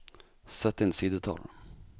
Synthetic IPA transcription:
sɛt̪ːɪnsiːd̪ət̪ʰɑ̰l

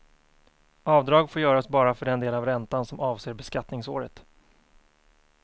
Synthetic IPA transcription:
ɑːvd̪ɾɑːɡfoːɾjœːɾaɔsbɑːɾafœɖɛnd̪eːlavɾɛnt̪ansɔmɑːvseːɾbɛskat̪nɪŋso̰ːɾət̪

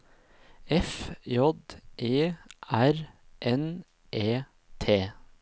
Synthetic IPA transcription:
ɛfjɔd̪ʔeːʔæɾʔɛn | ʔeː | t̪ʰeː

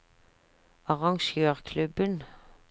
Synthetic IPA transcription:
ɑʁɑŋʃøːʁkʰlʉbən

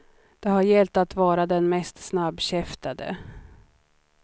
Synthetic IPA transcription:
d̪̥ɛɦaɾjɛlt̪at̪vɑːɾad̪ɛnmɛst̪snabːɕɛft̪ad̪ə̰

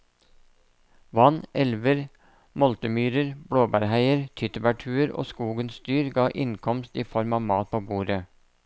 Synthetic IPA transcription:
ʋɑnɛlʋəɾ | mɔlt̪əmyːɾəɾb̥ɽoːbæɾhæɪəɾt̪ʰʏt̪əbæʈʰʉːəɾo̰ːskuːɡənsst̪yːɾɡɑːʔɪŋkʰɔmst̪iːfɔɾmɑːʋmɑːt̪̚pʰoːbuːɾə

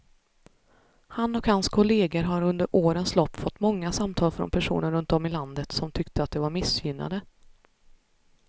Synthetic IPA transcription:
hanːɔkhanskʰɔleːɡəɾɦaɾɵnd̪əɾʔoːɾənslɔpːfɔt̪ːmɔŋːasamt̪ʰɑːlfɾɔ̰npʰæʂṵːnəɾɵnt̪ɔmɪland̪ət̪sɔmt̪ʰʏkt̪əat̪̚d̪ɛvaɾmɪsjʏnːa̰d̪ə

